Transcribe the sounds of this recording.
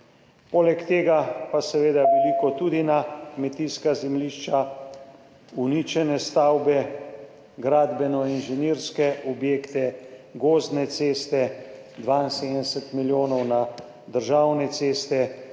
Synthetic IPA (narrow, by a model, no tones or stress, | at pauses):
poːlɛkt̪eːɡapasɛʋeːd̪aʋɛlikɔt̪uːd̪inakmɛt̪iskazɛmliːʃt͡ʃa | uniːt͡ʃɛnɛst̪aːwbɛ | ɡɾaːd̪bɛnɔinʒɛniːɾskɛʔɔbjeːkt̪ɛɡoːznɛt̪seːst̪ɛ | d̪ʋaːinseːd̪ənɛsɛt̪miljoːnɔwna | d̪əɾʒawnɛt̪seːst̪ɛ